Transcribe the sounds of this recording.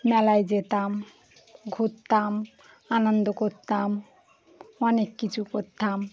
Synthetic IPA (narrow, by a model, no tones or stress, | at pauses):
mɛlajd͡ʒet̪am | ɡʱut̪ːam | anɔnd̪ɔkot̪ːam | ɔnekːit͡ʃʰukoɾt̪ːam